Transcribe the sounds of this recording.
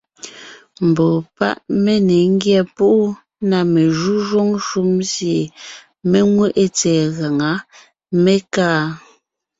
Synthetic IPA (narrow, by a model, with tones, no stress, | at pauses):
m̩˨bɔ˨pa̰˦ʔme˦ne˨ŋ̩˦ɡjɛ˦˨pu˦ʔu˦ | na˨me˨ʒu˦ʒwo˦ŋʃu˦mzje˨ | me˦ŋwe˦ʔe˦t͡sɛː˨ɣa˨ŋa˨˦ | me˦kaː˦